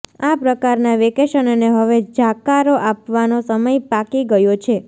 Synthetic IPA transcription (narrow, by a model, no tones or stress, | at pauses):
apɾəkaɾnaʋekeʃənəneɦəʋed͡ʒakaɾoʔapʋanosəməjpakiɡəjot͡ʃʰe